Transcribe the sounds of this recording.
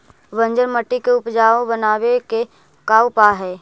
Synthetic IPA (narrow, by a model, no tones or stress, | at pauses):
ʋə̃nd͡ʒəɾməʈːikeʊpd͡ʒaːõbənaːweke | kaːwpaɦɛː